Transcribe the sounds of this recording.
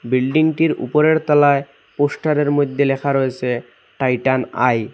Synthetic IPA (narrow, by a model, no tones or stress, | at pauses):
bilɖiŋʈiɾṵpoɾeɾt̪ɔlae | poʃʈaɾeɾmojd̪ʱːelɛkʰaɾojet͡ɕʰe | ʈajʈana̰j